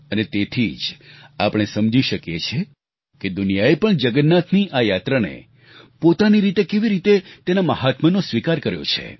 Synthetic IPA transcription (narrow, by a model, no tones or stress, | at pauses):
ənet̪et̪ʰid͡ʒapɽ̃esəmd͡ʒiʃəkjet͡ʃʰe | ked̪unijaepəɳd͡ʒəɡənːat̪ʰniʔajat̪ɾanḛ | pot̪aniɾit̪ekeʋiɾit̪et̪enaməɦat̪mənosʋikaɾkəɾjo̰t͡ʃʰḛ